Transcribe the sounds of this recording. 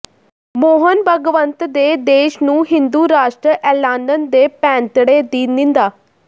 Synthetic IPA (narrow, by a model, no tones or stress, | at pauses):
moːɦənbʱəɡʋənt̪d̪ed̪eːʃnũːɦind̪uːɾaːʂʈɾəʔɛːlaːnənd̪epɛ̃ːnt̪ɽed̪iːnĩnd̪aː